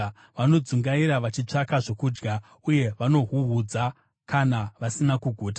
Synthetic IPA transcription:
ʋano̞d͡zuŋɡaiɾaʋat͡ʃit͡ʂakaʐo̞kuːd͡ʒɡa | uje̞ʋano̞ɦuɦud͡za | kanaʋasinakuɡʱoːta

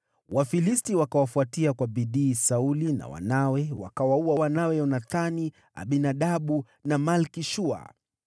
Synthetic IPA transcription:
wafilistiwakawafuatiakwaɓiɗiːsaulina̰wa̰nawɛwa̰kawauawanawɛjɔnaθani | a̰ɓinaɗaɓu | namalkiʃua̰

